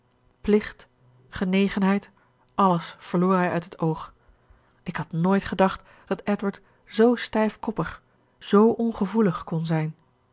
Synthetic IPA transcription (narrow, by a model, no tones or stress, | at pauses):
plɪχt | χənejχənɦɛjt | ʔɑləsfəɹloːɹɦɛjœɥtɦətowχ | ɪkɦɑtnoːjtχədɑχt | d̥ɑtɛtwəɹt | z̥owstɛjfkɔpəχ | z̥owʔɔnχəvuləχkɔnzɛjn